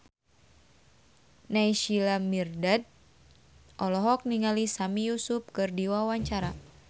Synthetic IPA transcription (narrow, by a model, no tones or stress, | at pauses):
naiʃilamirdad̚ | ʔɔlɔɦɔk̚niŋalisamijusup̚kɨrdiwawaɲt͡ʃaɾa